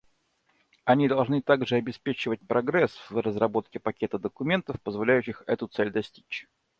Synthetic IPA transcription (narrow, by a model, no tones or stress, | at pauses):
ɐnʲid̪ɐlˠʐnɨt̪aɡʐɨɐbʲɪspʲet͡ɕɪvət̚ʲpɾɐɡɾɛsvrəzɾɐbo̞t̪̚kʲɪpɐkʲe̞t̪əd̪əkʊmʲe̞nt̪əfpəzvɐlʲæjʉɕːɪxɛt̪ʊt̪sɛlʲd̪ɐsʲtʲi̥t͡ɕ